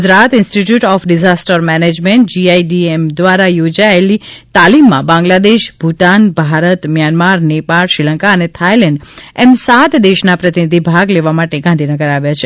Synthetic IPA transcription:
d͡ʒɾat̪ɪnsʈiʈjuʈɔfɖizasʈəɾmɛned͡ʒmẽɳʈ̚d͡ʒiaiɖiemd̪ʋaɾajod͡ʒaelit̪alimːã̰bãŋɡlad̪eʃbʱuʈanbʱaɾət̪mjanmaɾnepalʃɾilə̃ŋkaənet̪ʰajlɛ̃ɳɖɛmsat̪d̪eʃnapɾət̪inid̪ʱibʱaɡleʋamaʈeɡãnd̪ʱinəɡəɾaʋjat͡ʃʰe

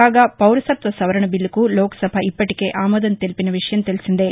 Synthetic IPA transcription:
aːɡɐpɐwɾɐsɐt̪ʋɐsɐʋɐɾɐɳɐbilːukuloːkɐ̥sɐbʱɐipːɐʈike̞ːʔaːmɔːd̪ɐnt̪elpinɐʋiʂɐjɐmt̪elisind̪e

